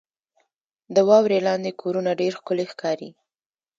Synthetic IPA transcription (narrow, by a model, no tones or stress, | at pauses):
d̪əwɑwɾelɑnd̪ekʰoɾunaɖeɾxkʊlexkɑɾḭ